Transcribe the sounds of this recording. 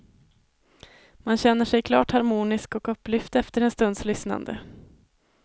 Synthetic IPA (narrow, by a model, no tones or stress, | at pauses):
manɕɛnːəʂɛjkʰlɑ̰ːʈhaɾmuːnɪskɔkɵpːlʏft̪ɛft̪əɾɛnst̪ɵnd̪slʏsna̰nd̪ə̰